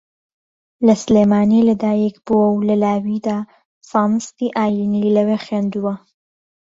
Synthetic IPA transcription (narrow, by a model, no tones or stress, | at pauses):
lɐslemaːnilɐd̪aːjekbuwɐwlɐlaːwid̪a | faːmst̪iʔaːjinilɐwexeːnd̪uwɐ